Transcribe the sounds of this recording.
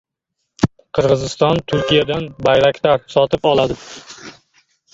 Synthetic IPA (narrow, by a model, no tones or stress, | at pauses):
qʰɨɾʁɨzɪst̪ɒnt̪ʰʊɾkʲijad̪anbajɾakʲt̪aɾsɒt̪ʰɪpɒlˠad̪ɪ